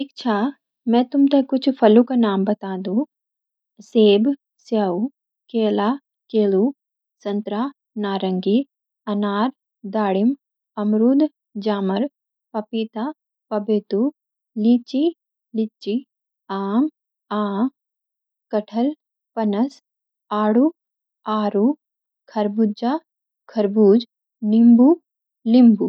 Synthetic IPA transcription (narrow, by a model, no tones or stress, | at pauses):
ʈʰiːkt͡ʃʰaː | mɛ̃ːt̪ʊmt̪ekʊt͡ʃʰpʰɐlũkanaːmbɐt̪aːd̪ũ | seːb | sjaːu | keːlaː | keːlu | sɐ̃nt̪ɾaː | naːɾəŋɡi | ɐnaːɾ | d̪aːɽɪm | ɐmɾuːd̪ | d͡ʒaːməɾ | pɐpit̪a | pɐbeːt̪u | liːt͡ʃi | lit͡ʃi | aːm | aː | kɐʈʰɐl | pɐnɐs | aːɽu | aːɾu | kʰɐɾbud͡ʒaː | kʰɐɾbuːd͡ʒ | nimbu | limbu